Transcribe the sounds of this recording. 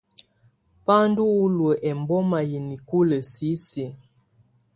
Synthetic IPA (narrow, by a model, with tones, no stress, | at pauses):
pa˦n˦du˦u˦lwə˨ʔɛ˨m˨bɔ˦ma˨ji˨ni˨ku˦lə˨si˨˦se˨